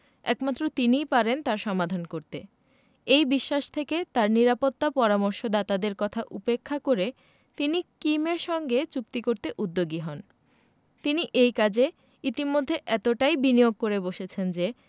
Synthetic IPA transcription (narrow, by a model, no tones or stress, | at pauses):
ɛkmat̪ːɾot̪inijpaɾent̪aɾʃɔmad̪ʱankoɾt̪e | ejbiʃːaʃt̪ʰeket̪aɾniɾapot̪ːapɔɾamoɾʃod̪at̪ad̪eɾkɔt̪ʰaʔupekʰːakoɾe | t̪inikimeɾʃɔŋɡet͡ɕuk̚t̪ikoɾt̪eʔud̪ːoɡiɦɔn | t̪iniʔejkad͡ʑe | it̪imod̪ʱːeʔɛt̪oʈajbinijoɡ̚koɾeboʃet͡ɕʰend͡ʑe